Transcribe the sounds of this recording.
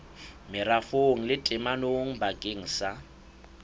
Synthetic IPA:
mɪrafoŋ̩lɪtʼɪmanoŋ̩baɡeŋ̩sa

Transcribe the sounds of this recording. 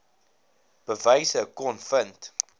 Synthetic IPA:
b̥əvəjsəkɔnfənt

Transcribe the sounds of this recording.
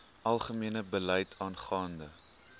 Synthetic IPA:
ʔɐlˠχəmiənəbəlɛjtʰɑːnχɑːndə

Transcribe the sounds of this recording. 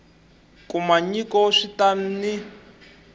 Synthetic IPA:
kumaɲikɔʂitan̩ni

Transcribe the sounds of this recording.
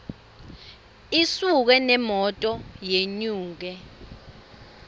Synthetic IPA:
isuk̬ɛnɛmɔtʼɔjeɲuːk̬ɛ

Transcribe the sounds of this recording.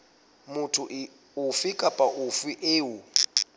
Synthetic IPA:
mʊtʰʊʔ | ufikʼapʼaʔufwiʔeːu

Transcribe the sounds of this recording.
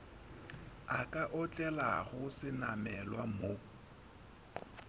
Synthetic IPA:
akʼaʔɔt͡ɬʼɛla̰ɣʊsɪnamɛlwamo

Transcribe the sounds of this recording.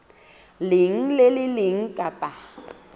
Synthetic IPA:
lɪŋ̩lelɪlɪŋ̩kʼapʼa

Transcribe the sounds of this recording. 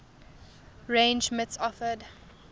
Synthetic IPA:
ɹẽːnd͡ʒmɪtsɔfəd

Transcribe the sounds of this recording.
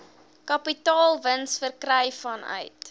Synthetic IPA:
kɐpitɑːlˠvənsfərkrəjfɐnœ̰ɥt

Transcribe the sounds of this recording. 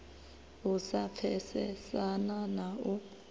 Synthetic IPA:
usafʰɛsɛsananau

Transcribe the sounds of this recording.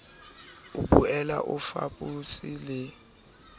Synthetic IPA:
uɓʼuɛlaʔufa̰ɓʼusilɛ

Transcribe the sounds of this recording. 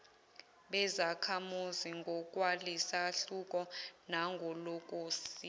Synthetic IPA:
ɓɛzakʰamuziŋɡʱɔkʼwalisaɬukʼɔnaŋɡʱɔlokʼosi

